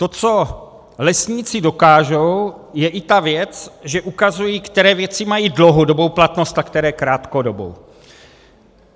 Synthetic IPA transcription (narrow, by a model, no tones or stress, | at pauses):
t̪o̞t͡so̞ | lɛsɲiːt͡sɪdo̞kaːʒo̞w | jɛʔɪt̪avjɛt͡sʒɛʔukazujiːkt̪ɛɾɛːvjɛt͡sɪmajiːdlowɦodo̞bo̞wplat̪nost̪akt̪ɛɾɛːkɾaːt̪kodobo̰w